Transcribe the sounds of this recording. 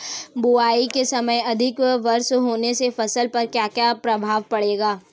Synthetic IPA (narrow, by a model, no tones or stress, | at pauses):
buaːikesɐməjɐd̪ʱɪkʋɐɾsɦoːnesefɐsəlpɐɾkjaːkjapɾɐbʱaːʋpɐɽeːɡaː